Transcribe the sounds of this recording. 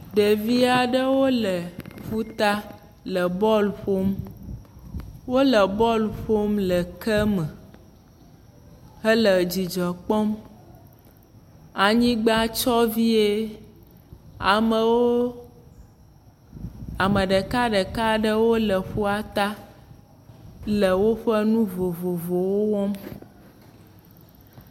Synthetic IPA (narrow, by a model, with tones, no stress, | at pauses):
ɖe˨vi˦a˨ɖə˦wo˦lə˨fu˦t̪a˦ | lə˨bɔ˦lɸo˦m | wo˦lə˨bɔ˦lɸo˦mlə˨kə˦mə˨ | ɦə˦lə˨d͡ʑi˨d͡ʒə˨k͡pɔ˦m | a˨ɲĩ˦ɡ͡ba˦t͡ʃɔ˦vi˦e˦ | a˨mə˨wo˦ | a˨mə˨ɖə˨ka˦ɖə˨ka˦ɖə˦wo˦lə˨ɸu˦a˨t̪a˦ | lə˨wo˦ɸə˦nũ˦vo˨vo˨vo˨wo˦wɔ˦m